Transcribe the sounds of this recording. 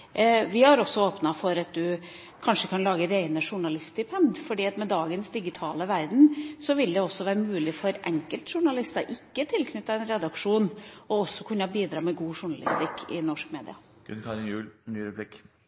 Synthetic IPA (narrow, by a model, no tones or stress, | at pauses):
ʋɪhɑɾɔsɔoːpnɑfɔɾɑt̪̚d̪ʉ | kʰɑnʂəkʰɑnlɑːɡəɾæɪnəʂʊɳɑlɪst̪ɪpʰɛnd̪fɔɖiːɑt̪mɛd̪ɑːɡənsd̪ɪɡɪt̪ʰɑːləʋæɾd̪n̩sɔʋɪld̪ɛɔsːɔʋæːɾəmʉːlɪfɔɾʔɛŋkəlt̪ʂʊɳɑlɪst̪ɑʔɪkːət̪ʰɪlkʰnʏt̪ːɑɛnɾɛd̪ɑkʂuːnɔɔsːɔkʰʉnəɑbiːd̪ɾɑːmɛɡuːʂʊɳɑlɪ̰st̪ɪkʰːɪ̰nɔʂkmeːd̪ɪ̰ɑ | ɡ̥ʉ̰nkʰɑɾɪnjʉːlnyːɾəblɪk